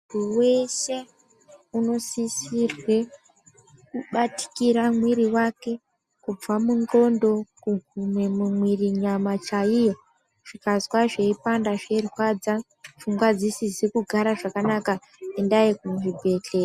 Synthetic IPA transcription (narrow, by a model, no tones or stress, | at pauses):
uuwe̞ʃe̞ | uno̞sisirwe̞ | kuɓati̥kiɾamwiɾiwake̞ | kub͡vamunɡo̞ndo̞kuɡʱumwe̞mumwiriɲamat͡ʃaijo̞ | ʐ̥ikazwaʐe̞ipandaʐerwad͡za | fuŋɡwad͡zisizekuɡʱaɾaʐakanaka | endajikuʐibʱe̞ɬe̞ːa